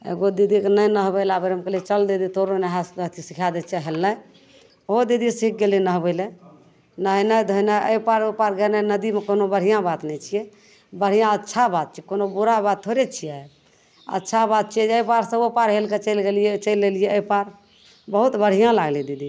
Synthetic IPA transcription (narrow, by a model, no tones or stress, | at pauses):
ḛɡod̪id̪ʱikenəjnəɦbəɪlabəɾɦəmkeliɛt͡ʃəld̪id̪it̪oɾonaɦasd̪ʱət̪ʰisikʰad̪ɛt͡ʃʰɛɦelnəj | od̪id̪isik̚ɡelinəɦbəɪlɛ | nəɦnəjd̪ʱojnajʔə̰jpaɾopaɾɡenənəd̪imekonobəɽ̤ijãbat̪nɛt͡ʃʰijɛ | bəɽ̤ijãətːt͡ʃʰabat̪̚t͡ʃʰikonobuɾabat̪t̪ʰoɾet͡ʃʰijɛ | ə̰tːʃʰabat̪̚t͡ʃʰiɛd͡ʒəpaɾsə̃opaɾɦelket͡ʃəjlɡelijet͡ʃəjlːelijɛəjpaɾ | bəɦut̪bəɽ̤ijãlaɡlid̪id̪i